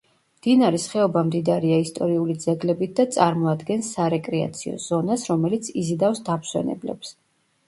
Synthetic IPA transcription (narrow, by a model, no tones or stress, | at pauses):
md̪̥inaɾɛsχɛɔbamd̪id̪aɾiaist̪ʼɔɾiulid̪zɛɡlɛbit̪̚d̪at̪sʼaɾmɔad̪ɡɛnsːaɾɛkʼɾɛa̰t̪sʰiɔ̰z̥ɔnasɾɔmɛlit̪sʰizid̪afsd̪apʰswɛ̰nɛ̰blɛ̰ps